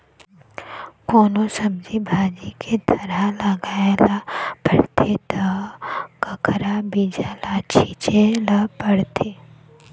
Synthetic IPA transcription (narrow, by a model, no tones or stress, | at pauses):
koːnosəmd͡ʒʱibʱaːd͡ʒikʰet̪əɾalaɡaːelapəɽ̤t̪ʰet̪ɐ | kɐkʰɾabiːd͡ʒalat͡ʃʰiːt͡ʃelapəɽt̪ʰeː